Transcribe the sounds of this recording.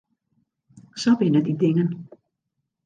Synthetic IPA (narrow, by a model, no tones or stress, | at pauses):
sobɪnədidɪŋən